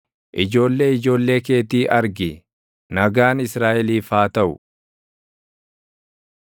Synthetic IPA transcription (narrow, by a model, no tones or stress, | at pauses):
ʔɪd͡ʒo̞ːlːe̞ːɪd͡ʒo̞ːlːe̞ːke̞ːt̪iːʔɐɾɡɪ | nɐɡaːnɪsɾaːʔɛliːfaːt̪ɐʔʊ̰